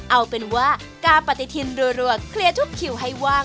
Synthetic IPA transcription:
ʔa˧wpe˧nwaː˥˩ | kaː˧pa˨˩t̪ːi˧t̪ʰi˧nduː˧jɾu˧˩əkʰli˧ɐt̪ʰu˦˥˩kʰːi˨˩wɦa˥˩jwaː˥˩

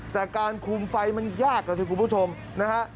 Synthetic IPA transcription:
t̪ɛː˨˩kaː˧nkʰuː˧mfa˧jma˧njaː˥˩k̚ːa˧t̪ʰɯː˧˩ku˧npʰu˥˩t͡ɕʰo˧m | na˦˥kʰa˦˥ʔ

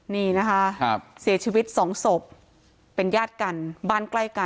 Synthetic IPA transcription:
niː˥˩na˦˥kʰa˦˥ʔsiː˨˩˦t͡ɕʰiː˧wi˦˥t̪̚sɔː˩˦ŋso˨˩p̚ː | e˧njaː˥˩t̪̚ka˧nbaː˥˩nkla˥˩jka˧

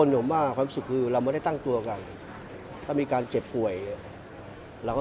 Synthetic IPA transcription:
o˧njo˨˩˦mːaː˥˩waː˧msu˨˩kʰːɯː˧ɾa˧wma˥˩da˥˩jt̪a˥˩ŋt̪u˧ɐ˧ka˧n | t̪ʰaː˥˩miː˧kaː˧nt͡ɕe˨˩p̚pu˨˩əj | ɾa˧wka˥˩

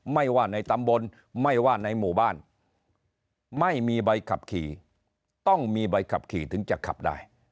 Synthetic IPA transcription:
ma˥˩jwaː˥˩na˧jt̪a˧mbo˧n | ma˥˩jwaː˥˩na˧jmuː˨˩baː˥˩n | ma˥˩jmiː˧ba˧jkʰa˨˩p̚kʰiː˨˩ | t̪ɔ˥˩ŋmiː˧ba˧jkʰa˨˩p̚kʰiː˨˩t̪ʰɯ˩˦ŋt͡ɕa˨˩kʰːa̰˨˩p̚da̰ː˥˩j

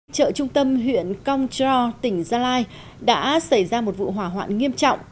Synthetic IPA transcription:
t͡ɕə̰ː˧˨t͡ɕʊ˧ŋ͡mt̪ə˧mɦwḭ˧˨ənkə˧wŋ͡mt͡ɕɔ˧t̪ï˨˩ŋ̟zaː˧laː˧j | ɗa̰ː˧˥sa˧˩jzaː˧mo˨˩t̚vṵ˧˨ɦwaː˧˩ɦwa̰ː˧˨nŋi˧əmt͡ɕɔ̰˧˨wŋ͡m

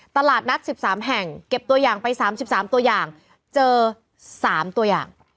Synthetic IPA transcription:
t̪a˧laː˨˩t̪̚na˦˥t̪̚si˨˩p̚saː˩˦mɦɛ˨˩ŋke˨˩p̚t̪u˧ɐjaː˨˩ŋpa˧jsaː˩˦msi˨˩p̚saː˩˦mt̪u˧ɐəjaː˨˩ŋ | t͡ɕɤː˧ | saː˩˦mt̪u˧ɐja̰ː˨˩ŋ

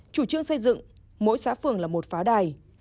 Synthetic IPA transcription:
t͡ɕu˧˩t͡ɕɨ˧əŋsə˧jzɨ̰˧˨ŋ | mo̰˧˥jsa̰ː˧˥fɨ˨˩əŋlaː˨˩mo˨˩t̚faː˨˦ɗaː˨˩j

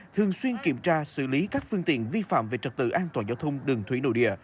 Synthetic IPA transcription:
t̪ʰɨ˨˩əŋswi˧ənki˧˩əmt͡ɕaː˧sɨ̰˧˨li˨˦kaː˦˥k̚fɨ˧əŋt̪ḭ˧˨ənvi˧fa̰ː˧˨mve˨˩t͡ɕə˨˩t̚t̪ɨ̰˧˨ʔaː˧nt̪waː˨˩nzaː˧wt̪ʰə˧wŋ͡mɗɨ˨˩əŋt̪ʰwi˧˩˦no̰˧˨jɗḭ˧˨ə

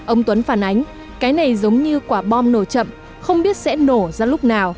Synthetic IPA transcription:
ʔə˧wŋ͡mt̪wə˨˦nfaː˧˩nʔa˨˦jŋ̟ | kaː˨˦jna˨˩jzə˨˦wŋ͡mɲɨ˧kwaː˧˩ɓɔ˧mno˧˩t͡ɕə̰˧˨m | xə˧wŋ͡mɓi˦˥ət̚sɛ̰˧˥no˧˩zaː˧lʊ˦˥k͡p̚naː˨˩w

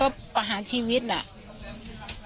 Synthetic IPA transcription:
ɔ˧˥˩pa˧ɦaː˩˦nt̪ʰiː˧wi˦˥t̪̚na̰˧ʔ

